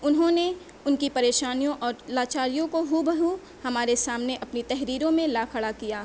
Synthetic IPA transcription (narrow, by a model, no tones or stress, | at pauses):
ʊnɦõne | ʊnkipɐɾeːʃaːnijõʔɔːɾlaːt͡ʃaːɾijõkoɦubɐɦu | hɐmaːɾesaːmneʔɐpnit̪ɛɦɾiːɾõmẽlaːkʰɐɭakijaː